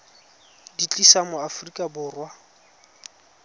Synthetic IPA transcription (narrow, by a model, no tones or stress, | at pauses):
dit͡ɬʼisamʊafrikʼabʊːrwa